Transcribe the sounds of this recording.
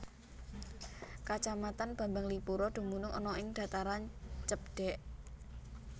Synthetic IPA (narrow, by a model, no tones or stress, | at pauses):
kat͡ʃamat̪anb̥ä̤mbaŋlipuɾɔd̪̥ṳmunʊŋɔ̰nɔɪŋd̪̥a̤t̪aɾant͡ʃəp̚ɖ̪̥ɛ̤ʔ